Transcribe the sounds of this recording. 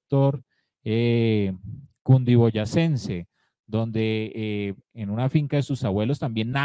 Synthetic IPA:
t̪oɾ | e | kund̪iβo̞ʝase̞nse̞ | d̪o̞nd̪e̞ː | nunafiŋkaðesusaβwe̞lo̞st̪ambje̞nːa

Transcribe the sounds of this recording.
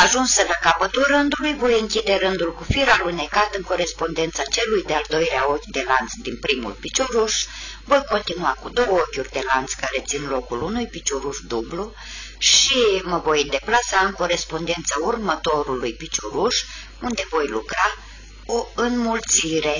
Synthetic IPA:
aʒunsəlakapət̪ulrɨnd̪ulujvo̞jɨŋkʲid̪e̞ɾɨnd̪ulkufiɾalujne̞kat̪ɨŋko̞ɾe̞spo̞nd̪e̞nt̪sat͡ʃe̞lujd̪eald̪o̞jleao̞kʲd̪e̞lant̪sd̪inpɾimṵlpit͡ʃoɾuʃ | vo̞jko̞nt̪inuakud̪o̞wəokʲurʲd̪e̞lant̪skaɾe̞t̪sinlo̞kulunujpit͡ʃoɾuʃd̪ublu | ʃiməvo̞jd̪e̞plasaɨŋko̞ɾe̞spo̞nd̪e̞nt̪səurmət̪o̞ɾulujpit͡ʃoɾuʃ | und̪e̞vo̞jlukɾa | o̞ɨnmult̪siɾe̞

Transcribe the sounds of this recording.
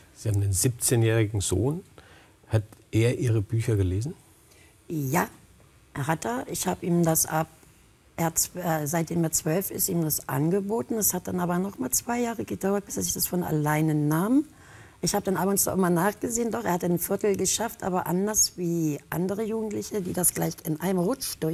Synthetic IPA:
z̥ihaːbm̩n̩deːnzip̚t͡seːnjɛːʁɪɡŋ̩zoːn | hatʔeːɐʔiːʁəbyːçɐɡəleːzn̩ | jaː | ʔeːɐɦat̚d̥aɐʔɪçhaːbəʔiːmdasʔa̰b | ʔeɐhaɛzaɪt̚d̥eːmeːɐt͡sv̥œlfɪ̰stʔiːmdasʔa̰nɡəboːtn̩dashat̚d̥anʔaːbɐnɔχmaːlt͡sv̥aɪjaːʁəɡədaʊɐt̚b̥ɪseːɐzɪçd̥asfɔnʔa̰laɪnənaːm | ʔɪçhaːbədanʔaːbɔŋsd̥a̰ɪmaːnaːχɡ̥əzeːəndɔχʔeːɐhatənfɪɐtl̩ɡəʃaftʔa̰ːbɐʔa̰ndɐsv̥iːʔa̰ndəʁəjuːɡŋ̩tlɪçədiːdasɡ̥laɪçɪnʔa̰ɪnəmʁʊt͡ʃd̥ʊɐ

